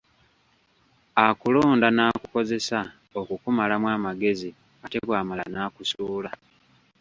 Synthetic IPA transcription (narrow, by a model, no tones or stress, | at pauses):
akulo̞ːndanaːkuko̞ze̞sa | o̞kukumalamwaːmaɡe̞zi | ate̞βwaːmalanaːkusuːla